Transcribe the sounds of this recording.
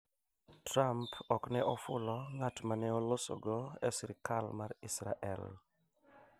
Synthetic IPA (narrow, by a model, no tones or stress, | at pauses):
tɾampʰɔknɛʔɔfʊlɔŋatmanɛɔlɔsɔ̰ɡɔɛsiɾkʰalmaɾisɾa̰ʔɛ̰l